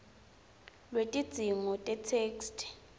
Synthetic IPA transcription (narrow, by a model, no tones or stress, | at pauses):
lwetʼid̥z̥ʱiŋɔtʼɛtʰeːkstʰ